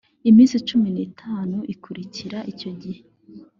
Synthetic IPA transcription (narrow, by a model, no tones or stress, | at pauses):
imiːnsit͡ʃuminiːtʰaːnuʔikʰuɾiciɾaʔico̞ɟihe